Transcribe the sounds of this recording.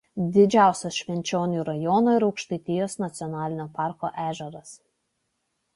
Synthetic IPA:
d̪ʲɪd͡ʒʲæˑʊsʲɛsʃʲʋʲɛnʲt͡ʃʲoːnʲuːɾɐjɔːnoːɪɾɒʊkʃt̪ɐɪt̪ʲɪjoːsnɐt̪sʲɪɔnɑːlʲɪnʲoːpɑˑɾko̰ʔæːʒʲɛɾɐs

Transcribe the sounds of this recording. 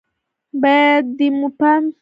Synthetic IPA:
bɛdimupans

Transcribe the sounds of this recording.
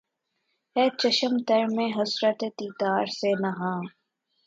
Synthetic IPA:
ɛːt͡ʃɐʃəmt̪ɐɾmẽɦɐsɾət̪et̪iːt̪aːɾseːnɐɦãː

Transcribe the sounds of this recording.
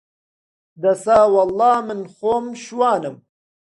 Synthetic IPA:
d̪ɐsaːwɐlːɑːmɪnxoːmɕwaːnɨm

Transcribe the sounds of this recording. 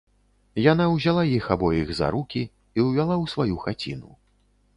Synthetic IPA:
janawzʲalˠajixabɔjiɣza̰ɾukʲi | iwvʲalˠawsvajuxat͡sʲḭnṵ

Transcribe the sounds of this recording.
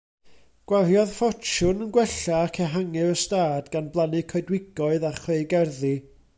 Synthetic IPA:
ɡ̥waɦjɔðfɔt͡ʃʊnənɡwɛɬaːkʰɛɦaŋɪəstaːdɡanblˠanɪkʰɔɨdwɪɡ̥ɔɨðaχweɨɡɛrði

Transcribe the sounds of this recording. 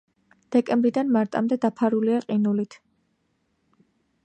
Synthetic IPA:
d̪̥ɛkʼɛmbɾid̪anmaɾt̪ʼa̰md̪ɛd̪apʰaɾuliaqʼinulit̪ʰ

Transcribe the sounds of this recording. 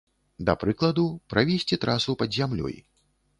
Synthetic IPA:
d̪ɐpɾɨklˠɐd̪upɾʔavʲesʲt͡sʲit̪ɾasupɐd̪zʲamlʲɔ̰j

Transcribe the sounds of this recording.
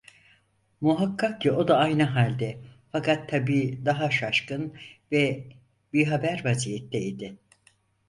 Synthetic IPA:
muɦakʰːak̚cio̞d̪aajnɯɦalʲd̪ɛfakat̪ʰːabiːd̪aɦaʃaʃkɯnvɛ | biɾɦabæɾvazijɛt̪ʰːɛid̪ɪ

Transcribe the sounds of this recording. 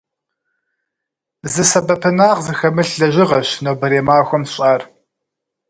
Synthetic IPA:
zɨsɐbɐpʰɨnaːʁzɨxɐmɨɬɮɐʑɪʁɐɕnowbɐɾeːmaːxʷɔmɕʼaːr

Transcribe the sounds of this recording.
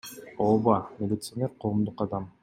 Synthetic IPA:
obɑmʲelʲit̪sɨanʲeɾqʰo̞ːmd̪uqɑd̪ɑm

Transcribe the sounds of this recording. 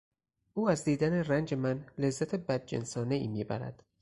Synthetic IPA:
ʔuːæzd̪iːd̪ænerænd͡ʒemænle̞zːæt̪ʰe̞bæd̪̚d͡ʒḛnsɒːne̞iːmiːbæ̰ɾæ̰d̪̥

